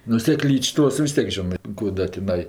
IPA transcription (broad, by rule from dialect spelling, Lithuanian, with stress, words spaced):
nʊ sʲɛˈklʲiːt͡ʃʲ ˈtoːs ʋʲɪs ˈtʲiɛk ˈʒʲoːnɜ ˈkuː dɐ tʲɪˈnɐɪ